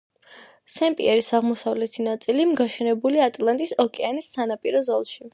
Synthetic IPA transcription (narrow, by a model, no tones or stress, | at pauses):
sɛmpʼḭɛɾisaʁmɔsavlɛt̪ʰinat̪sʼilimɡaʃɛnɛbuliat̪ʼlˠant̪ʼisɔkʼɛanisːanapʼiɾɔzɔlˠʃi